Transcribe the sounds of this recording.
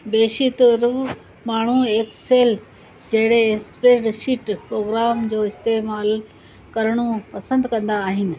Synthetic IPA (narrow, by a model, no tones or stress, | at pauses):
beːʃit̪ɾ | maːɳ̤ueːkseːl | d͡ʑɐɦɪɽekspɾeːɖʃiʈpɾoːɡɾaːmd͡ʑoːɪst̪eːmaːl | kɐɾɽ̃opɐsə̃nd̪kɐ̃nd̪aːɦɪnɪ̆